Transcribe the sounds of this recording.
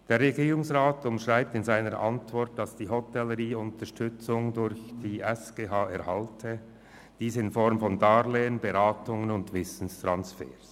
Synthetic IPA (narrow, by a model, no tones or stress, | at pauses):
d̥eːɾːeɡiːʁʊŋsʁaːtʊmʃʁaɪp̚tɪnzaɪnəɾʔɑ̰ntv̥ɔʁt̚d̥ɑsd̥iːɦɔtɛləʁiːʊntəʃtʏt͡sʊŋdʊɾçd̥iːʔɛsɡ̥eːɦaːɛɐʁhaltʰə | d̥iːsɪnfɔɾmfɔndaːleːənbeʁaːtʊŋənʊndvɪsn̩stʁansfɛ̰ːs